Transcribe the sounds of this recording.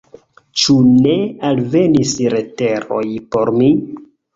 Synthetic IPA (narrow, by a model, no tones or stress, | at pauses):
t͡ʃune̞alve̞nisɾe̞te̞ɾo̞̰jpo̞ɾmi